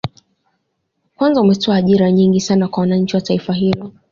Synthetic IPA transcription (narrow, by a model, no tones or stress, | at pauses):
kwanzaumɛtʰɔaːʄiɾaɲiŋɡisanakwawanaɲ̩t͡ʃiwataifaɦilɔ